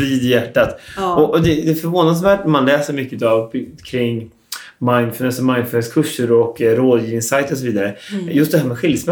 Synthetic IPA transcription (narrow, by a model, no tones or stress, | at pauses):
ɾiːd̪ɪjæʈːat̪ɔʔɔd̪ɛd̪ɛfœɾvoːnasvæːʈnɛmanlɛːsəɾmʏkːəʉːt̪avkʰɾɪŋː | maɪnfœnɛsɔmaɪnfœnɛskʰɵʂːəɾɔkːɾoːd̪jiːvɪŋsajt̪ɔsɔviːd̪aɾəjɵst̪̚d̪ɛhæːɾmɛɧɪlsmɛ